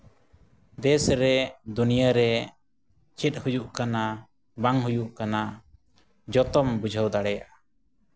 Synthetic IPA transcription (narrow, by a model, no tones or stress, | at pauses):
d̪ɛsɾɛd̪unijaɾɛ | t͡ʃʰɛt̪̚ˀhud͡ʒuʔkana | baŋɦujuʔkana | d͡ʒɔt̪ɔmbud͡ʒʱəwd̪aɽɛjaʔa